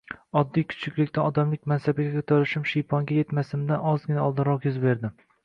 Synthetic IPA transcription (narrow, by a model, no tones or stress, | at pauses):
ɒd̪ːijkʲʰʊ̥t͡ʃʰɪkʲlɪkʲt̪aɒd̪amlɪk̚ʲmansabaɡʲakʰɵt̪ʰaɾɪʃɪmʃijpʰɒŋɡʲaje̞t̪masɪmd̪anɒzɡʲɪnaɒlˠd̪ɨɾɒqjʊzbe̞ɾd̪ɪm